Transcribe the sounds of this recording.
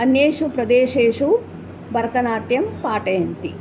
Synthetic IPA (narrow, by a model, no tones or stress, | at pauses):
ɐnjeːʂupɾɐd̪eːʃeːʂu | bʱɐɾɐt̪ɐnaːʈjɐmpaːʈɐjɐnt̪i